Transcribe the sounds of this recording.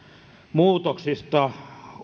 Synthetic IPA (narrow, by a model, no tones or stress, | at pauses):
muːt̪oksist̪ɑ